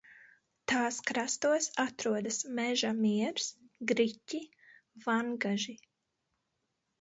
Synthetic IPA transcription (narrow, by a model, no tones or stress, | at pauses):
t̪aːskɾast̪uɔsat̪ɾuɔd̪asmɛʒamiɛɾsɡɾicʲi | vaŋɡaʒi